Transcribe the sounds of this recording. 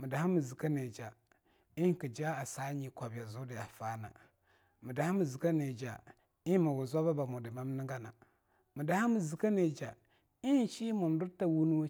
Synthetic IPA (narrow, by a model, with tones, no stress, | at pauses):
mə˨da˨ha˦mə˨zi˨ka˦ne˨d͡ʒa˨ | i˦ki˨d͡ʒa˦a˨sa˦ɲi˨kʷa˨bja˨zu˦di˨ja˨fa˦na̰˨ | mi˨da˨ha˦mi˨zi˨ka˦ne˨d͡ʒa̰˨ | i˦ma˨wu˨za˦ba˦ba˨mo˨di˨ma˦m˦ni˦ŋɡa˦na˨ | mi˨da˨ha˦mə˨zi˨ka˦ne˨d͡ʒa˨ | i˦˨ʃi˦mu˨m˨˦du˦ɾta˦wu˦nu˦w